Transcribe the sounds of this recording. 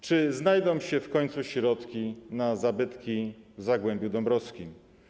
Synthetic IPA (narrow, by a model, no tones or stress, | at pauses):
t͡ʂɘznajd̪ɔ̃wɕɛfkɔɲʲt̪suɕɾɔt̪kʲinazabɘt̪kʲivzaɡwɛmbʲjud̪ɔmbɾɔskʲim